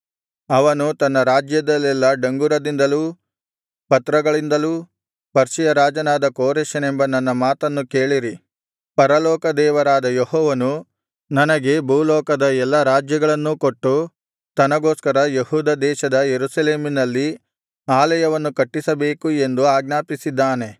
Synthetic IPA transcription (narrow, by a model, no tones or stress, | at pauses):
ɐʋɐnut̪ɐnːɐɾaːd͡ʒjɐd̪ɐlːɛlːɐɖɐŋɡuɾɐd̪ind̪ɐluː | pɐt̪ɾɐɡɐɭind̪ɐluː | pɐɾʃijɐɾaːd͡ʒɐnaːd̪ɐkoːɾeʃɐnembɐnɐnːɐmaːt̪ɐnːukeːɭiɾi | pɐɾɐlɔːkɐd̪ɛːʋɐɾaːd̪ɐjehɔːʋɐnu | nɐnɐɡe̞bʱuːlɔːkɐd̪ɐɛlːɐɾaːd͡ʒjɐɡɐɭɐnːuko̞ʈːu | t̪ɐnɐɡoːskɐɾɐjehuːd̪ɐd̪ɛːʃɐd̪ɐjeɾusɐleːminɐlːi | aːlɐjɐʋɐnːukɐʈːisɐbe̞ːkue̞nd̪uaːɡnaːpisid̪ːaːne̞